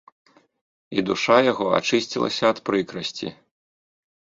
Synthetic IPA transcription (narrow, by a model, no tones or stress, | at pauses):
id̪uʂajaɣɔa̰t͡ʂɨsʲt͡sʲilˠɐ̰sʲɐːt̪pɾɨkɾɐsʲt͡sʲḭ